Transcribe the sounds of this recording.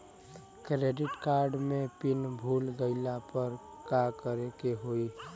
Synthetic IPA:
kɾeːɖɪʈkaːɾɖmẽpɪnbʱuːlɡəɪlapəɾ | kakəɾekeɦoi

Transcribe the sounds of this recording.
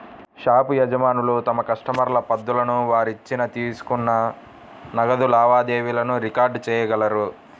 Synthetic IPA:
ʃaːpujɐd͡ʒɐmaːnulut̪ɐmɐkɐʂʈɐmɐɾlɐpɐd̪ːulɐnuʋaːɾit͡ʃːinɐt̪iːsu̥kunːɐ | nɐɡɐd̪ulaːʋaːd̪eːʋilɐnuɾikaːɾɖt͡ʃɛːjɐɡɐlɐɾu

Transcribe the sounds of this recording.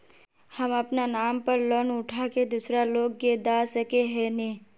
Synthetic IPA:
həmɐpnanaːmpəɾlɔnʊʈʰaked̪ʊsɾaloːɡːed̪aːsəkeɦɛneː

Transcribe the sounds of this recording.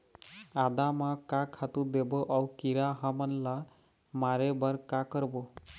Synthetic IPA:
ad̪amakakʰat̪ud̪eboʔʌwkiɾaɦʌmʌnla | maɾebʌɾkakʌɾbo

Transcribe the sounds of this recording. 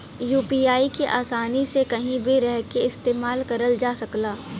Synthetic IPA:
juːpiːaːikeʔaːsaːnisekɐɦĩbʱiɾɛɦkeɪst̪eːmaːlkɐɾəld͡ʒaːsɐklaː

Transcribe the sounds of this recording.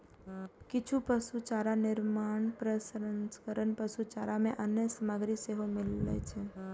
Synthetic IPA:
kɪt͡ʃʰupəsut͡ʃaɾanɪɾmaɳ̃pɾəsɾənskəɾəɳpəsut͡ʃaɾamẽʔənjəsəməɡɾiseɦomɪlːḛt͡ʃʰe

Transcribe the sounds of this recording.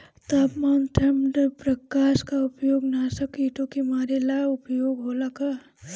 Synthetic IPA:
t̪aːpmaːnʈ̪ʰɐmɖpɾɐkaːʃkaʊpjoːɡnaːsɐkiːʈõkimaːɾelaːʊpjoːɡɦoːlaka

